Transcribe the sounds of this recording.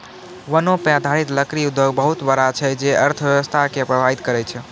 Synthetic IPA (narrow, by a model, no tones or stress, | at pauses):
ʋənopãd̪ʱaɽit̪ləkɾiud̪ʱːoɡbəɦut̪bəɾat͡ʃʰɛd͡ʒeəɾt̪ʰəʋjəʋəst̪ʰakeəpɾəbʱait̪kəɾɛt͡ʃʰɛ